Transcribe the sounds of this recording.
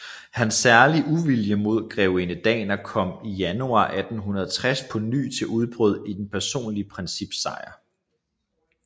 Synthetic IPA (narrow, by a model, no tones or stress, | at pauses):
hænsːæɐliʔuʋiljəmo̝ð̞̰ˠɡ̥ʁɛʊe̝nəd̥ɛ̰ːnɐkʰɒ̽m̰ijænuɑ̰̈ːʔæd̥n̩ɦunɐðˠɒt͡sʰʁaspʰɒ̽ny̰ːt͡sʰe̝ʔuð̞ˠb̥ʁœð̞̰ˠid̥en̩pʰæɐso̝̰ːnliəpʰʁɛnsib̥sɑ̈ɪɐ